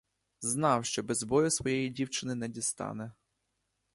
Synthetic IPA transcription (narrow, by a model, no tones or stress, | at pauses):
znɑwʃt͡ʃɔbɛzbɔjʊsʋɔjɛjidʲiwt͡ʃɪnɪnɛdʲist̪ɑ̰nɛ